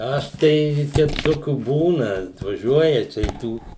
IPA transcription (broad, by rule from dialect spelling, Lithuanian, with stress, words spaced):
ˈɐʃ tɐɪ ˈtʲɛɪp ˈtoːkʲuː ˈbuːnɐ ɐtʋɐˈʒʲuɔjɛ ˈt͡ʃʲɛ ɪ ˈtuː